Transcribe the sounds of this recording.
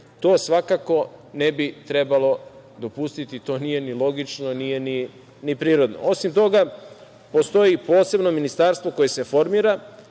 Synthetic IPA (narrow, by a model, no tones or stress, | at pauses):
t̪o̞ːsʋakako̞nebit̪ɾe̞balo̞ | d̪o̞pust̪it̪it̪o̞ːnije̞nilˠo̞ɡit͡ʃnonije̞ni | nipɾiːɾo̞d̪no̞̰o̞simt̪o̞ɡa | po̞st̪o̞jipo̞ːse̞bno̞minist̪aɾst̪ʋo̞ko̞je̞se̞fo̞ɾmiːɾa